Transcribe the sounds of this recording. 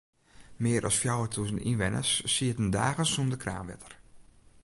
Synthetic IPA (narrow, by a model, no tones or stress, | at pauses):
mɪəɾʔɔsfjawətʰusənḭnʋɛnʔə̰sːiətəndaːɣəsumdəkra̰ːmʋɛ̰tʰə̥r